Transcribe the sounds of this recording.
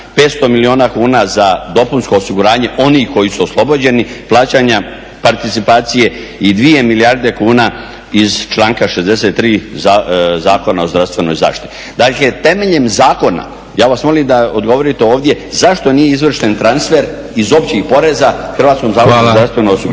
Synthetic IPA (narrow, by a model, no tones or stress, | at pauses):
pe̞ːt̪st̪o̞milio̞ːnakuːnazad̪o̞punsko̞ːsiɡuɾaːɲe̞ʔo̞nihko̞jisuoslˠo̞bod͡ʑe̞niplˠaːt͡ɕaɲa | paɾt̪it̪sipaːt̪sije̞ | id̪ʋie̞milijaɾd̪e̞kuːna | izt͡ʃlˠaːŋkaʃe̞zd̪e̞se̞t̪ːɾiːzazaːko̞nao̞zd̪ɾafst̪ʋe̞no̞̰jza̰ːʂt̪it̪i | d̪akle̞t̪e̞me̞ʎe̞mzaːko̞na̰ | jaːʋasmo̞limd̪aod̪ɡo̞ʋo̞ɾit̪e̞oːʋd̪je̞ | zaʃt̪o̞nijeizʋr̩ʃt̪e̞nt̪ɾansfe̞ɾ | izo̞pt͡ɕixpo̞ɾezaxr̩ɾʋaːt̪sko̞mzaːkonzɾast̪ʋe̞nojosiɡ